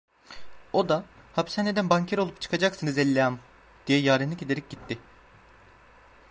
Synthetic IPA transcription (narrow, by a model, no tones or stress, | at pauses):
o̞d̪a | hapsaned̪ænbaɲcʰeɾo̞lˠupt͡ʃʰɯ̥kʰad͡ʒaksɯnɯzɛlʲːejam | d̪̥ijɛjaːɾinlʲice̞d̪eɾɛc̚ɟit̪ʰːɪ